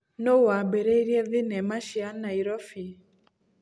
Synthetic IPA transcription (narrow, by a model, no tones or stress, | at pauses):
nowabeɾɛiɾjɛðɪnɛmaʃianaiɾɔfi